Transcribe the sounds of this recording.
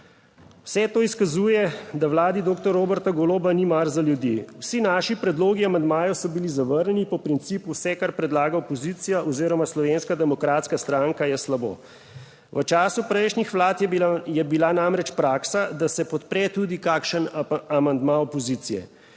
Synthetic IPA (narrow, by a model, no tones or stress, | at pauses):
wsɛt̪oːiskazuːjɛd̪awlaːd̪id̪oːk̚t̪ɔɾoːbɛɾt̪aɡɔloːbanimaɾzaljud̪jḭwsinaːʃipɾɛd̪loːɡiamand̪maːjɔwsɔbilizaʋəɾɲɛnipɔpɾint̪siːpuwsɛkaɾpɾɛd̪laːɡaɔpɔziːt̪sijaʔɔziːɾɔmaslɔʋeːnskad̪ɛmɔkɾaːt̪skast̪ɾaŋkajɛslabo̰ː | ʋət͡ʃaːsupɾɛjʃnɲixʋlaːt̪jjɛbilanamɾɛt͡ʃpɾaːksad̪asɛpɔt̪pɾɛt̪uːd̪ikaːkʃənamand̪maɔpɔziːt̪sijɛ̰